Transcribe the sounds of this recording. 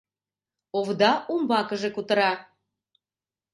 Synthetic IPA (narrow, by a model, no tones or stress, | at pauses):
ovd̪ɑumbɑkəʒekut̪əɾɑ